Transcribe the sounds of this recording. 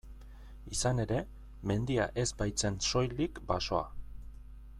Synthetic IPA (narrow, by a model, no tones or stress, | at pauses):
isane̞ɾe̞ | me̞nd̪ia̰ʔe̞zbajt͡se̞nso̞jlikbaso̞a̰